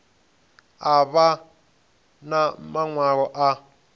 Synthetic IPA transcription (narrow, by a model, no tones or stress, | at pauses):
aβa | namaŋwaɣɔʔa